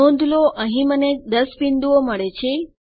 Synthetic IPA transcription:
õnd̪ʱloʔəɦĩməned̪əspind̪uoməɭet͡ʃʰe

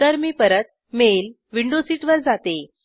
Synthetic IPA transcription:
t̪əɾmiːpəɾət̪̚ | mel | ʋiɳɖosiʈʋəɾd͡zat̪e

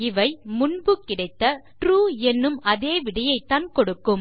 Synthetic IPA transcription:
ɪʋɐɪmʊɳbɯkːɪɽɐɪt̪ːɐʈɾuːɛnːɯmʔɐðeːʋɪɽɐjɐɪt̪ːaːnkɔɽɯkːɯm

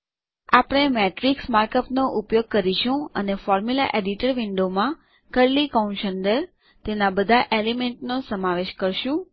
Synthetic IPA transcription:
apəɽ̃emeʈɾiksmaɾkəpnoʔupjoɡ̚kəɾiʃũə̰nefɔɾmula̰ʔeɖiʈəɾʋɪɳɖomã | kəɾlikãnʃənɖəɾ | t̪enabəd̪ʱaʔelemeɳʈnosəmaʋeʃkəɾʃũ

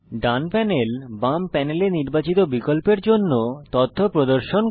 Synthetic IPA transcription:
ɖanpɛnelbampɛneleniɾbat͡ɕit̪obikolpeɾd͡ʑonːot̪ot̪ʰːopɾod̪oɾʃon

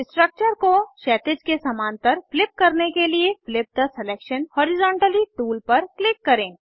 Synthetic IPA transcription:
sʈɾək̚t͡ʃəɾkoʃɛːt̪ɪd͡ʒkesɐmaːnt̪əɾflɪp̚kɐɾnekelieflɪp̚d̪asɛleːkʃənhɔːɾɪzɔ̃ːɳʈəliʈuːlpɐɾklɪkːɐɾẽː

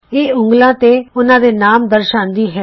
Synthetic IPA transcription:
eːʊ̃ŋɡlãːt̪eːʊnãːd̪eːnaːmd̪əɾʃaːnd̪iːɦɛː

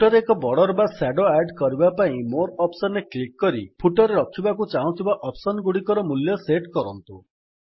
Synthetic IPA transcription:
ʈɔɾeekɔbɔɽɔɾbasaɖoajɖkɔɾibapaĩmoɾɔpsɔneklikːɔɾipʰuʈɔɾeɾɔkʰibakut͡ʃaɦũt̪ʰibaʔɔpsɔnɡuɽikɔɾɔmuljɔseʈkɔɾɔnt̪u

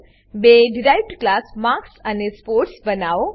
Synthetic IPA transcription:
beɖiɾajʋʈklasmaɾksanespoːɾʈsbənao

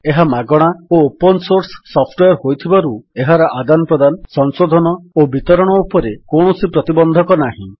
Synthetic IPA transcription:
eɦamaɡɔɽ̃aoopɔnsoɾsɔ̥ːɔpʰʈweɔɾɦojt̪ʰibaɾueɦaɾɔʔad̪anɔpɾɔd̪ansɔŋsod̪ʱɔnɔobit̪ɔɾɔɽ̃ɔupɔɾekoɳ̃ɔsipɾɔt̪ibɔnd̪ʱɔkɔnaɦḭ̃

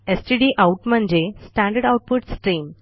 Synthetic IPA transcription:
esʈiɖiːʔaʊʈmə̃ɲd͡ʑesʈæ̃ɳɖəɾɖaʊʈ̚pʊʈsʈɾiːm

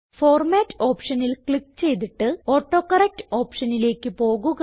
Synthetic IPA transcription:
fo̞ːrmaːtːɨo̞ːpʂɐnilkɭikːt͡ɕe̞jt̪̬iʈːɨo̞ːʈːo̞ːkɐrɐk̚tɨ̥o̞ːpʂɐnile̞ːkːɨpo̞ːɣuɣ

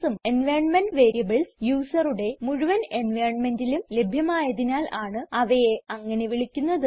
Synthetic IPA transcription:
sɐmenʋeːjɳmɐnɖʋeːɾijɐbɐɭsjuːsɐruɽe̞muɻuʋɐne̞nʋeːjɳmendilumle̞bʱjɐmaːjɐðinaːlaːɳɨɐʋɐjeɐŋːɐne̞ʋiɭikʲːunːɐðɨ

